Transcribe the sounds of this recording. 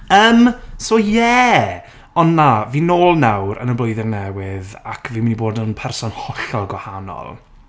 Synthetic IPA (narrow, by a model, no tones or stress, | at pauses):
əːmsoːjɛ | ɔnːaviːnoːlˠnawɾə̰nəbloɨðɪrnɛwɪða̰kʰviːmɪniboːdənpʰɛrsɔnhɔɬɔlˠɡwahanɔ̰lˠ